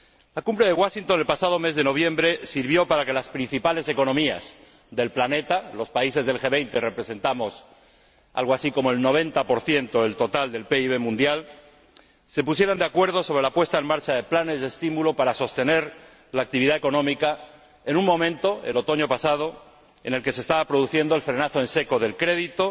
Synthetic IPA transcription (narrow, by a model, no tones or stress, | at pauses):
lakumbɾeðeɣwaʃint̪onelpasað̞o̞me̞zðe̞no̞β̞jẽ̞mbɾe̞siɾβjo̞paɾake̞laspɾin̟θipale̞se̞ko̞no̞mia̰s | ðe̞lplane̞t̪alo̞spaise̞zðelxe̞βe̞jnt̪ere̞pɾe̞se̞nt̪amo̞s | a̰lɣoasiko̞mo̞e̞lno̞β̞e̞nt̪apo̞ɾθje̞nt̪o̞elt̪o̞t̪ald̪e̞lpeiβe̞mũnd̪jal | se̞pus̬je̞ɾand̪eakwe̞ɾð̞o̞soɾe̞lapwe̞st̪aenmaɾt͡ʃaðe̞plane̞zðest̪imulopaɾaso̞st̪e̞ne̞ɾ | laːk̚t̪iβ̞iðae̞ko̞nõ̞mika | enuŋmõ̞mẽnt̪o̞elo̞t̪o̞ɲo̞pasað̞o̞ | ene̞lke̞sest̪aβapɾo̞ðuθje̞nd̪oe̞lfɾe̞naθoe̞nseko̞ðe̞lkɾe̞ðit̪o̞